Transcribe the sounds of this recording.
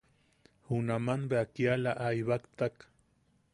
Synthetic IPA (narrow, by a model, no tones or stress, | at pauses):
hunamanbeakialaʔajβakt̪ak